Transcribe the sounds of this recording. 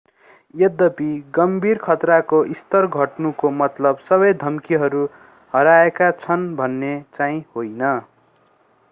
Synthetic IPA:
jʌd̪ʌpiɡʌmbʱirkʰʌt̪rakoʔist̪ʌrɡʱʌʈnukomʌt̪lʌbsʌβʌjd̪ʱʌmkiɦʌɾu | hʌɾaekat͡sʰʌnbʱʌnːet͡saĩhojnʌ

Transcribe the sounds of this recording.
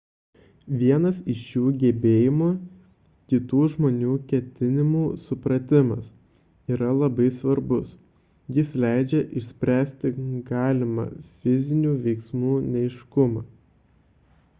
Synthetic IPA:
ʋʲiɛnɐsɪʃjuːɡʲɛbʲeːjɪmu | kʲɪt̪uːʒmoːnʲuːkʲɛt̪ʲɪnʲɪmuːsʊpɾɐt̪ʲɪmɐ̰s | iːɾɐlˠɐbɐɪsʋɐɾbʊs | jɪslʲæɪd͡ʒʲɛʔɪʃsʲpʲɾʲæːsʲt̪ʲɪɡɑːlʲɪmɑ̰fʲɪzʲɪnʲuːʋʲɛɪksmuːnʲɛɪʃkʊmɑː

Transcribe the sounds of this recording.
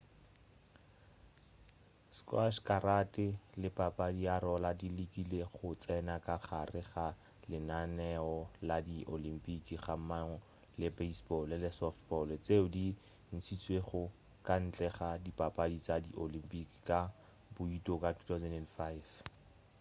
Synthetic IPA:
skwaʃkʼaɾatʼɪlɪpʼapʼadiaɾɔladilikileχʊt͡sʼɛnakaχarɪχa | lɪnanɛɔladiʔolim̩pʼikiχamaŋɔ | lɪbeisbɔlɪlɪsɔfbɔlt͡seʊdi | n̩t͡sʰit͡sʼweχʊ | kʼan̩t͡ɬʼɛχadipʼapʼadit͡sadiʔolimpʼiki̥kʼa | bʊitʼɔkʼatʰu̥tʰasɛndɛndfaif

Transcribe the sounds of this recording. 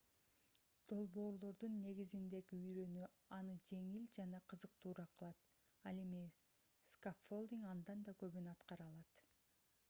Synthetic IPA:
d̪̥o̞lˠbo̞ːɾlˠo̞ɾd̪unːe̞ɡizind̪e̞ɡiyjɾø̞ny | ɑnɯd͡ʒe̞ŋild͡ʒɑnɑqʰɯzɯq̚t̪ʰuːɾɑqʰɯlˠɑt̪ | ɑlˠe̞mi | skafːo̞lˠd̪iŋɑnd̪ɑnd̪ɑkø̞βynɑt̪qɑɾɑlˠɑt̪

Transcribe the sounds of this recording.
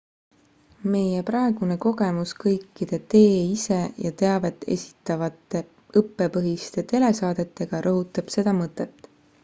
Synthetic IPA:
me̞jepɾɑe̞ɡ̥une̞ko̞ɡ̥e̞muskɤjkːid̪̥e̞t̪e̞ːise̞jɑt̪e̞ɑve̞t̪ˑːe̞̰sʲi̥t̪ːˑɑvɑt̪ːe̞ | ɤpːe̞pɤɦist̪e̞t̪e̞le̞sɑːd̪̥e̞t̪ːe̞ɡ̥ɑɾʔɤɦut̪ːˑɑb̥se̞d̪̥ɑmɤt̪ːˑet̪ːˑ

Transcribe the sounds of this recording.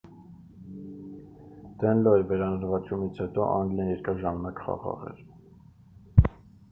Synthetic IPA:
d̪̥ɛnlɔɛvɛɾɑnəɾvɑt͡ʃumit͡sʰhɛt̪ɔʔɑŋɡlɑnjɛɾkɑɾʒɑmɑnɑkχɑ̰ʁɑ̰ʁɛ̰ɾ

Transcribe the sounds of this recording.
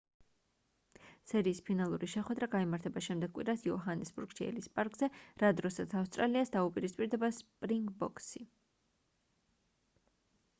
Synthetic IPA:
sɛɾiːspʰinalˠuɾiʃɛχwɛd̪ɾaɡaimaɾt̪ʰɛbaʃɛmd̪ɛɡ̚kʼwḭɾasiɔɦanɛsbuɾɡ̥ʃiɛ̰lispʼaɾkʼz̥ɛɾad̪ɾɔsat̪sʰafst̪ʼɾaliasd̪aupʼiɾispʼiɾd̪ɛbaspʼɾiŋɡbɔkʼsi

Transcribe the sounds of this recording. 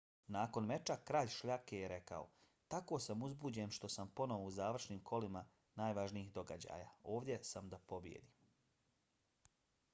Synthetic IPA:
naːko̞nme̞t͡ʃakɾaːʎʃʎakejeɾe̞ka̰o̰ | t̪ako̞ːsamuzbuːd͡ʑe̞nʃt̪o̞sampo̞no̞ʋouzaːʋr̩ʃniːmkʰo̞lima | naːjʋaʒniixd̪o̞ɡad͡ʑa̰ːja̰ːo̞ːʋd̪ʲje̞samd̪apo̞bjḛd̪iːm

